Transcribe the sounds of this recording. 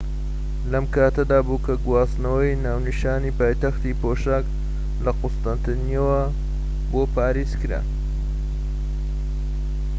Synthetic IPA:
lɐmkaːt̪ɐd̪aːbukʰɐɡwaːsnɐwɐjnaːwniʃaːniːpaːjt̪ɐxt̪iːpoʃak | lɐqʊst̪ɐnt̪ɐnijɐwɐ | boːpʰaːɾezkɨɾa̰

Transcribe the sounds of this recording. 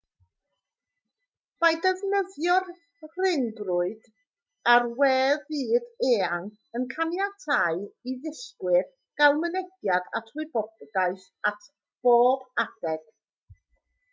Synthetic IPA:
m̥ajdəvnəðjɔr | r̥ɪndrʊɨd̥ | arwɛːðiːdeːan | ənkʰanjatʰaɨiðɪɬkwɪr | ɡ̥alˠmənɛɡjada̰tʰrʊɨbɔbɡaɨθ | atʰ | b̥oːbad̥ɛɡ̥

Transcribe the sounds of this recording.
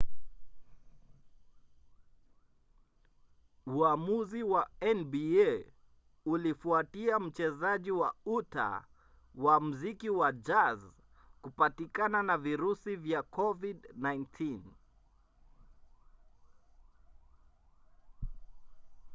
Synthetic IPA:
uamuziwaɛnbiɛ | ulifuatiam̩t͡ʃɛzaʄiwauta̰ | wam̩zikiwad͡ʒaz | kupatikananaviɾusivjakʰɔvidnajntʰin

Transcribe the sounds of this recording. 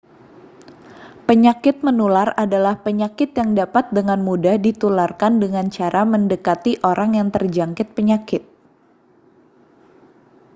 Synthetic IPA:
pəɲakɪt̪̚mənularadalahpəɲakɪt̪jaŋdapat̪̚dəŋanmudahdit̪ularkandəŋant͡ʃaɾʔaməndəkat̪iʔoɾaŋjaŋt̪ərd͡ʒaŋkɪt̪̚pəɲakɪt̪̚

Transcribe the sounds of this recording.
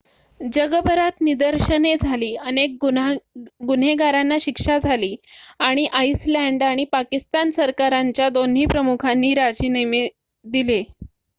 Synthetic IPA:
d͡ʑəɡəbʱəɾat̪nid̪əɾɕəned͡zʱaliːənek̚ | ɡun̤eɡaɾanːaɕikʂad͡zʱaliːaɽ̃iʔaislæɳɖaɽ̃ipakist̪ansəɾkaɾaɲt͡ɕjad̪on̤iːpɾəmukʰanːiːɾad͡ʑineme | d̪ile

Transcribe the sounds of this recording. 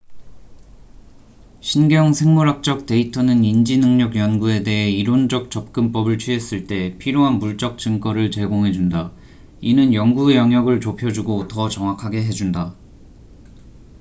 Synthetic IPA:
ɕʰinɡjʌŋsʰe̞ŋmoɾak̚t͡ɕ͈ʌk̚te̞itʰʌnɯnind͡ʑinɯŋɲʌɡjʌnɡue̞de̞ɦe̞iɾond͡ʑʌk̚t͡ɕ͈ʌp̚k͈ɯmp͈ʌbɯɭt͡ɕʰɥiɦe̞s͈ɯɭt͈e̞pʰiɾjoɦanmuɭt͡ɕ͈ʌk̚t͡ɕ͈ɯŋk͈ʌɾɯɭt͡ɕe̞ɡoŋɦe̞d͡ʑunda | inɯnjʌŋɡuejʌŋjʌɡɯɭt͡ɕopʰjʌd͡ʑuɡotʌt͡ɕʌŋwakʰaɡe̞ɦe̞d͡ʑunda

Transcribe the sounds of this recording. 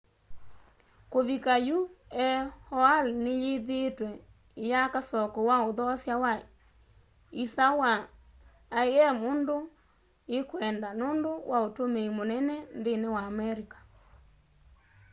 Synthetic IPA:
koβikajuɛhɔalnejeðetwɛ | jakasɔkɔwaoðɔsjawa | isawaː | eɛmondo | ekwɛndanondowʔaotomeimonɛnɛnðenewaːmɛɾikḁ

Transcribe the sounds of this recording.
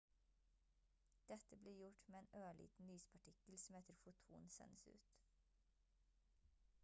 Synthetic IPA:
d̪̥ɛt̪əbliːɾjʊʈmeːeːnøːɭḭːt̪n̩nyːspʰɑʈʰɪkəlsmɛːt̪əɾfʊt̪ʰṵːnsɛ̰nəsʉ̰ːt̪

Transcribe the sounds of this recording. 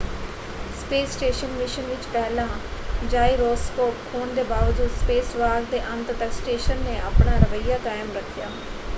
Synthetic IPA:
speːsʈeːʃənmɪʃənʋɪt͡ʃpɛːlãːd͡ʒaːiɾɔːskɔːp̚kʰoːnd̪eːbaːʋd͡ʒuːd̪speːsʋaːɡd̪eːʔənt̪d̪əksʈeːʃənːeːʔaːpɳaːɾəʋəɪjaːkaːjmɾəkʰːɪjaː

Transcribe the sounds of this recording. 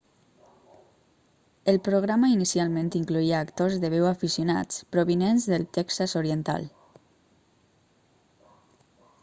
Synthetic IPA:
elpɾoɣ̞ɾamainisialˠmẽnt̪iŋkluiaːkt̪ozðəβ̞ewafisjuna̰t͡spɾoβinenzðəlˠt̪ɛksazoɾient̪a̰l

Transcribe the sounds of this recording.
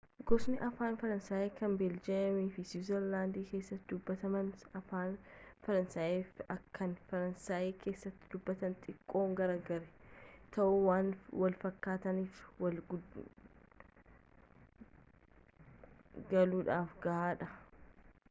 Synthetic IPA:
ɡɔsnɪʔɐfaːnfɐɾɐnsaːjeːkɐnbɪld͡ʒɛɐmiːfɪsuːzɐɾlaːnd̪iːke̞ːsːɐt̪ːɪd̪ʊbːɐt̪ɐmɐnɐfaːnfɐɾɐnsaːjeːfɐkːɐnfɐɾɐnsaːjeːkʰe̞ːsːɐt̪ːɪ̥d̪ʊbːɐt̪ɐnt̪ʼɪkʼːo̞ːŋɡɐɾɐɡɐɾɛt̪ʰɐʔuːwaːnwɐlfɐkːaːt̪ɐniːfwɐlɡ | ɡɐluːᶑaːfɡɐʔaːᶑɐ

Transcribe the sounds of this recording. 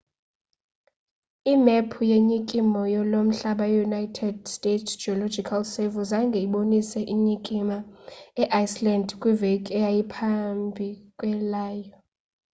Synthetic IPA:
imɛpʰujeɲikʼimɔjɔlom̩ɬaɓajunajtʰɛdstʼetʰd͡ʒiɔlɔd͡ʒikʰalsevuzaŋɡʱɛiɓonisɛʔiɲikʼimaɛʔajslandkʼwivekʼɛjajipʰambʱikʼwɛlaːjɔ

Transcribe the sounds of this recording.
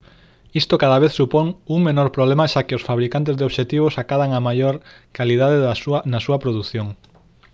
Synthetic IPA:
ist̪okaðaβ̞eθsupoŋuŋmenoɾpɾoβlemaʃakɪosfaβɾikant̪̬ezðeoβʃet̪iβ̞osakaðaŋamajoɾ | kaliðaðesanasuɐpɾoðuθjoŋ

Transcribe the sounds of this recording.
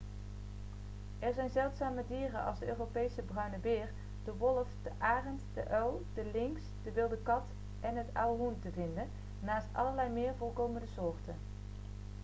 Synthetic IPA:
ʔɛɹzɛjnzɛlˠtsaːmədiːrənʔɑ̰lˠzdəʔøːrowpejsəbrœɥnəbɪːɹ | d̥əʋɔlˠəfd̥əʔaːrəntd̥əʔœwdəlɪŋsd̥əʋɪlˠdəkɑt | ʔɛnɦətawɦuntəvɪndən | naːstɑ̰ləɹlɛjmɪːɹvɔlˠkowməndəsʊːɹtə̰n

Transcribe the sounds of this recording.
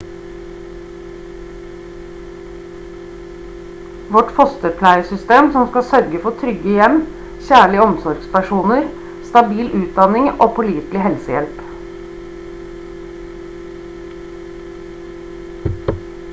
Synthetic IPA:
ʋɔʈfɔst̪əpʰlæɪəsʏst̪eːmsɔmskɑsœɾɡəfɔʈʰɾʏɡəjɛm | çæːɭɪəɔmsɔɾɡspæʃuːnəɾ | st̪ɑbiːlʔʉːt̪̚d̪ɑnɪŋoːpʰʊliːt̪lɪhɛlsəjɛ̰lp

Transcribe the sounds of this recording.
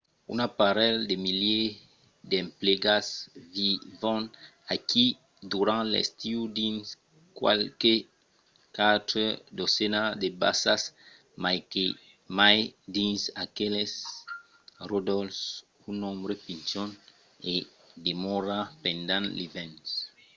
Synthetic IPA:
ṵnapaɾɛld̪emilje | d̪ẽmpleɡasvivɔ̃n | akʰi | d̪uɾãnlḛst̪iud̪ins | kwa̰lke | kat̪ɾed̪osɛnad̪eba̰sas | majke | majd̪ĩnsakeles | rod̪ɔlfs | unɔ̃mbɾepint͡ʃɔ̃n | e | d̪emɔɾapẽnd̪ãnlivɛ̃ns

